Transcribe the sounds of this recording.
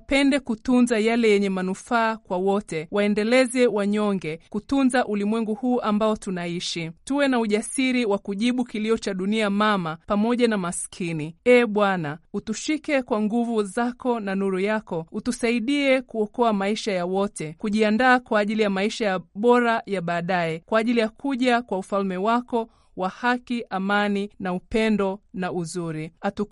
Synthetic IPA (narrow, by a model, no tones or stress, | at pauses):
pɛndɛkutunzajalɛjɛɲɛmanufaːkwawɔtɛwaɛndɛlɛzɛwaɲɔŋɡɛkutunzaʔulimwɛŋɡuhuːʔambaɔtunaiʃituwɛnauʄasiɾiwakuʄiɓukiliɔt͡ʃaɗuniamamapamɔʄanamaskʰiniɛːɓwanautuʃikɛkwaŋɡuvuzakɔnanuɾujakɔutusaiɗiɛkuɔkɔamaiʃajawɔtɛkuʄiandaːkwaːʄilijamaiʃajaɓɔɾajaɓaːɗaɛkwaːʄilijakʰuʄakwaufalmɛwakɔ | wahakiʔamaninaupɛndɔnauzuɾiatu